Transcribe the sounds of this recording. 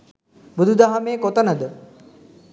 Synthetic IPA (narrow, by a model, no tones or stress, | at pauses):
bud̪ud̪aɦameːkot̪ənəd̪ə